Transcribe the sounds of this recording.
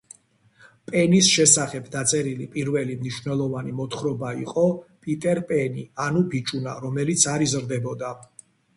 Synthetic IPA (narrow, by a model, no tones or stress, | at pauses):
pʼɛnisʃɛsaχɛbd̪at̪sʼɛɾilipʼiɾvɛlimniʃvnɛlˠɔvanimɔt̪ʰχɾɔbaiqʼɔpʼit̪ʼɛɾpʼɛnianubit͡ʃʼunaɾɔmɛlit̪sʰaɾizɾd̪ɛbɔd̪a